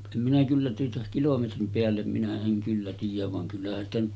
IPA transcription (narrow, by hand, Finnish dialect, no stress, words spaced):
em minæ kylːæ tuotɑ kilometrim peælːem minæ eŋ kylːæ tiːjæʋ ʋɑŋ kylːæhæn stæ nyt